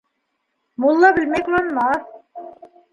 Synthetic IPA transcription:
mulˠːabilʲmɛkʲlonma

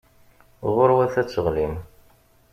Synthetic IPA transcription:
ʁʊɾwæθæt͡sːəʁlim

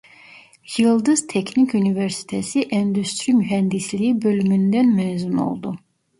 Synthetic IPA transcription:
jɯlˠd̪ɯz̥t̪ʰɛkʰnikʰynivɛɾsi̥t̪ʰesiʔɛnd̪yst̪ɾimyɦɛnd̪islʲiibø̞lymynd̪ænmɛzuno̰lˠd̪u

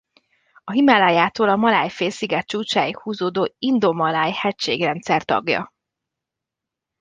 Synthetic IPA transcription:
ɒɦimalaːjaːt̪oːlɒmɒlaːjfeːlsiɡɛt̪̚t͡ʃuːt͡ʃaːjikhuːzoːd̪oːind̪o̞mɒlaːjhɛcʃḛːɡrɛnt̪sɛrt̪ɒ̰ɡjɒ̰

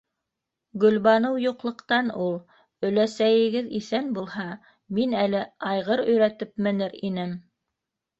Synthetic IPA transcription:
ɡɵ̆lβɑnɤwjuqlˠɤ̆qt̪ɑnulˠ | ɵ̆læsæjɘ̆ɡɘðiθænbulˠhɑ | minælɘɑjʁɤɾɵ̆jɾæt̪ɘpmɘ̆nɘɾinɘm

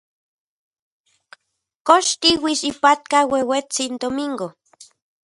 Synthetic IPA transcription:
koʃt̪iwisipat̪̚kawewet͡sind̪omiŋɡo

